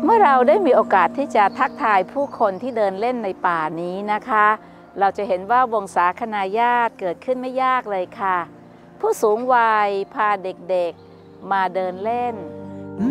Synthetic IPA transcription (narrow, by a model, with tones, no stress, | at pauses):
mɯ˥˩ɐɾa˧wdaː˥˩jmiː˧ʔoː˧kaː˨˩t̪ʰːiː˥˩t͡ɕa˨˩t̪ʰa˦˥k̚t̪ʰaː˧jpʰuː˥˩kʰo˧nt̪ʰiː˥˩dɤː˧nle˥˩nːa˧jpaː˨˩niː˦˥na˦˥kʰa˦˥ | ɾa˧wt͡ɕa˨˩he˩˦nwaː˥˩wo˧ŋsaː˩˦kʰa˧naː˧jaː˥˩t̪̚kɤː˨˩t̪̚kʰɯ˥˩nma˥˩jːaː˥˩k̚lɤː˧jkʰa˥˩ | pʰuː˥˩suː˩˦ŋwaː˧jpʰaː˧de˨˩k̚de˨˩k̚ | maː˧dɤː˧nle˥˩n